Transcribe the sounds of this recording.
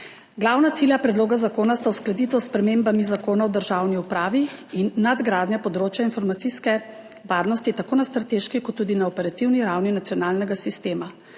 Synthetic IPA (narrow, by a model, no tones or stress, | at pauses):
ɡlawnat̪siljapɾɛd̪loːɡazakoːnast̪awsklad̪iːt̪ɔspɾɛmeːmbamizakoːnawd̪əɾʒawniupɾaːʋiinːad̪ɡɾaːd̪njapɔd̪ɾoːt͡ʃjainfɔɾmat̪siskɛ | ʋaːɾnɔst̪it̪akoːnast̪ɾat̪eʃkikɔt̪ːuːd̪inaɔpɛɾat̪iwniɾawninat̪sijɔnaːlnɛɡasist̪eːma